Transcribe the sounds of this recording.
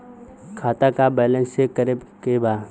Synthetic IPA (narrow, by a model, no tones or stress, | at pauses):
kʰaːt̪akabɛːlə̃nsekəɾɪbkebaː